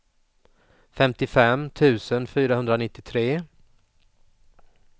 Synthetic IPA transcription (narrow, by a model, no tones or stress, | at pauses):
fɛmt̪ɪfɛmːt̪ʰʉ̟ːsənfyːɾahɵnd̪ɾanɪt̪ːɪt̪ʰɾeː